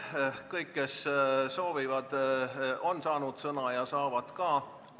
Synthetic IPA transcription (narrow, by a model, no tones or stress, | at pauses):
kɤjkːe̞sso̞ːvivɑd̪̥ | o̞nsɑːnud̪̥sɤnɑjɑsɑːvɑd̪̥kɑː